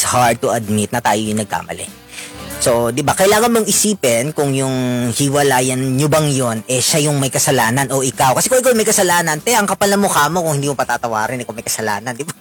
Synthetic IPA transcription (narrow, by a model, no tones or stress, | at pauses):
shaɹd̪̚t̪ʊɐd̪̚mit̪̚nɐt̪aːjojʊŋnɐɡ̚ka̰ːmɐ̰lɛ̰ | sod̪ɪbakɐjlaːŋɐnmoŋɪsiːpɪnkʊŋjʊŋhɪwɐlaːjɐnɲobɐŋjo̞nɛʃajʊŋmɐjkɐsɐlaːnɐnʔo̞ʔɪkawkɐsɛkʊŋʔɪkawmɐjkɐsɐlaːnɐnpɛɐŋkɐpɐlɐmokaːmo̞kʊ̃ŋhɪnd̪iːmopɐt̪aːt̪ɐwa̰ːɾɪnʔɪkawmɐjkɐsɐla̰ːnɐnd̪ɪba